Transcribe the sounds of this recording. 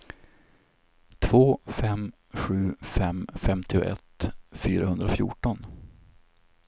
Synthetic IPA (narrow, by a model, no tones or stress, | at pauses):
t̪ʰv̥oːfɛm | ɧʉ̟ːfɛmfɛmt̪ʰɪʊʔɛ̰t̪fyːɾahɵnd̪ɾaɔfjṵːʈɔn